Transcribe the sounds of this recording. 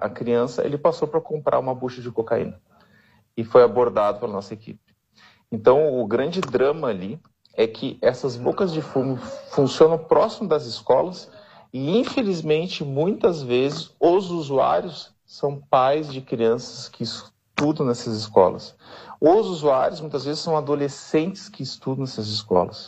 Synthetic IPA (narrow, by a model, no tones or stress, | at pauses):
ɐ̰kɾiɐ̃sɐ̰ʔɛ̰lɪpasowpɾɐkõmpɾʔa̰ɾũmɐbuʃɐd͡ʒɪkokaḭ̃nɐ | ɪfojaboɾd̪ad̪ʊplɐnɔsɐekḭpɪ̥ | ẽnt̪ɐ̃w̃ʊɡɾɐ̃d͡ʒɪd̪ɾɐ̃mɐːli | ɛkʰɪʔɛsɐzbokɐzd͡ʒɪfumʊfũsiõnɐ̃pɾɔsimʊd̪ɐzɪskɔlɐs | ɪĩfelizmẽnt͡ʃɪmũj̃t̪ɐzvezɪsʊzuzua̰ɾjʊsː | ɐ̃w̃pajzd͡ʒɪkɾiɐ̃sɐ̥skɪs | t̪ud̪ɐ̃w̃nɛsɐzɪskɔ̰lɐ̰s | ʊzuzuaɾjʊsmũj̃t̪ɐzvezɪsɐ̃w̃ad̪olesẽnt͡ʃɪ̥skɪːst̪ud̪ɐ̃w̃nɛsɐzɪskɔ̰lɐ̰s